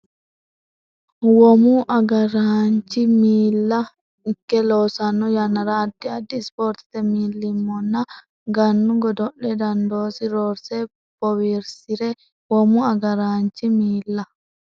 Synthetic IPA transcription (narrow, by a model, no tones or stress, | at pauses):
wɔmuʔɐɡɐɾaːnt͡ʃːɪmiːlːɐ | ɪkːɛloːsɐnːɔjɐnːɐɾaːd̪ːɪɐd̪ːɪspoːɾt̪ɪ̥t̪ɛmiːlːɪmːɔnːɐ | ɡɐnːʊɡɔd̪ɔʔɛd̪ɐnd̪oːsɪɾoːɾsɛ | b̥ɔwiɾsɪɾɛ | wɔmuɐɡɐɾaːnt͡ʃːimiːlːɐ